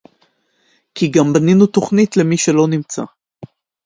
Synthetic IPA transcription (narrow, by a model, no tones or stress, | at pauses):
kiɡambaninut̪o̞χnitle̞miʃelo̞nimt͡sa̰